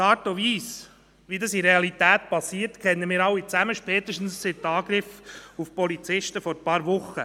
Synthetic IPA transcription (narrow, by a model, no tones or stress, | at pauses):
ɑːtoviːs | ʋidɑsiɾeɑlit̪æːt̪̚pɑsiːəɾtkʰɛnːəmɪːɾɑwːit͡sæməʃpɛːt̪əʃtn̩sːɪt̪̚ːɑːɡ̥ɾɪfufpɔlit͡sɪʃtəfɔɾpɑːɾʋʊχːə